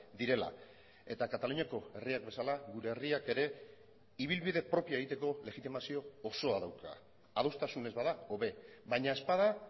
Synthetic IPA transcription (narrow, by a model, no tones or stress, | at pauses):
d̪iɾe̞la̰ | e̞t̪akat̪aluɲako̞e̞riak̚be̞salaɣuɾe̞ːriake̞ɾe̞ | iβ̞ilβiðe̞pɾo̞piaeɣ̞it̪e̞ko̞le̞ɣit̪imasio̞ːso̞aðawka̰ | aðowst̪asune̞zβaðao̞βe̞βajɲae̞spað̞a